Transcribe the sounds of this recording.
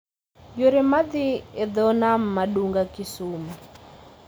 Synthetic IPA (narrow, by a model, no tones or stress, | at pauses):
joɾemad̪ɪed̪ɔnam̩ːaɗuŋɡakisumu